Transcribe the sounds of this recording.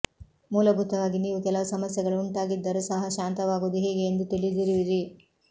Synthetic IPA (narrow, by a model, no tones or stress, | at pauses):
muːlɐɡʱut̪ːɐʋaːɡiniːʋukɛlɐʋsɐmɐsjɐɡɐɭuːnʈ̪aːɡid̪ːɐɾusɐɦɐʃaːnt̪ɐʋaːɡuːd̪uɦeːɡe̞ːnd̪ut̪iɭid̪iɾiʋiɾi